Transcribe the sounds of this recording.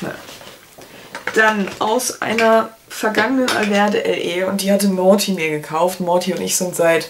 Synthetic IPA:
d̥anʔaʊsʔa̰ɪnɐ | fɛɐɡaŋənənʔa̰lvɛɐdəʔɛ̰lʔeːʊntd̥iːhatəmɔːtʰimiːɐɡəkʰaʊftmɔɐtʰiʊntɪçz̥ɪntz̥aɪt

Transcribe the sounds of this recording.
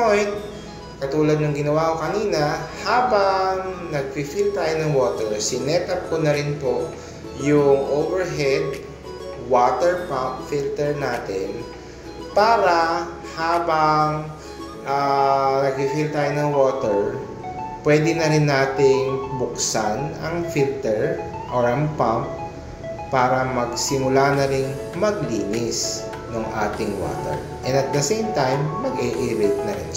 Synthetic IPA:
pojnt̪̚ | kɐt̪uːlɐd̪̚nɐŋɡɪnɐwaːkokɐniːnɐhaːbɐŋnɐɡ̚fɪfilt̪aːjonɐŋwoːt̪ɛɹsɪnɛːt̪ɐp̚konɐɾɪnpo | jʊŋʔowvɛɹɦɛd̪̚ | woːt̪ɛɹpɐmpfilt̪ɛɹnaːt̪ɪn | paːɾɐ | haːbɐŋ | ʔanɐɡ̚ɪfilt̪aːjonɐŋwoːt̪ɛɹ | pwɛːd̪ɪnɐɾɪnːaːt̪ɪŋbʊksanɐŋfilt̪ɛɹ | ʔoɹɐŋpamp̚ː | aːɾɐmɐɡsɪmʊlanɐɾɪŋ | mɐɡliːnɪs | noŋʔa̰ːt̪ɪŋwo̰ːt̪ɛ̰ɹ | ʔɛnɐt̪̚d̪ɐsejmt̪ajmːɐɡʔɛʔɪɾɪt̪̚nɐɾɪ̰n

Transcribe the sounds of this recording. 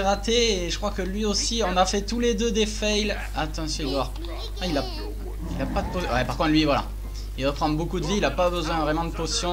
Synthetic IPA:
ʁat̪eːʒəkχwakəlɥiosiɔ̃nafɛt̪uled̪ød̪efɛjl | at̪ɑ̃sɔ̃id̪waʁ | ɛ̃ila | ilapad̪əpozwɛpaʁkɔ̃t̪lɥivwala̰ | ivapχɑ̃d̪ʁbokud̪əviːlapabəzwɛ̃vʁɛmɑ̃d̪əposjɔ̃

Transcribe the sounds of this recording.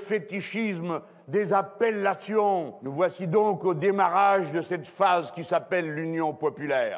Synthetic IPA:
fet̪iʃism | d̪ezapɛlːasjɔ̃nəvwasid̪ɔ̃kod̪emaʁaʒd̪əsɛt̪fazkʲisapɛlːynjɔ̃pɔpylɛːʁ

